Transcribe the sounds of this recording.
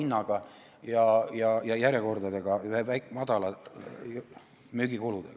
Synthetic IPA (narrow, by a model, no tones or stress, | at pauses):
inːɑɡ̥ɑ | jɑjɑjɑjæɾjeko̞rd̪ɑd̪eɡ̥ɑhevæjkmɑd̪̥ɑlɑ | myɡ̥ikolud̪̥ḛɡ